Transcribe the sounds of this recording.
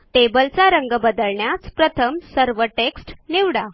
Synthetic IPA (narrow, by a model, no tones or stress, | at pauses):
ʈebəlt͡saɾəŋɡəbəd̪əɭɳjat͡spɾət̪ʰəmsəɾʋəʈeksʈniʋɽa